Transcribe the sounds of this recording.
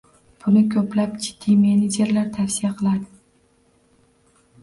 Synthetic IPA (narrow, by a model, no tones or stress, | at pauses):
b̥ʊnɪkʲʰɵplapd͡ʒɪd̪̥ːimened͡ʒe̞ɾlaɾt̪ʰafsijaqʰɨlˠad̪ɪ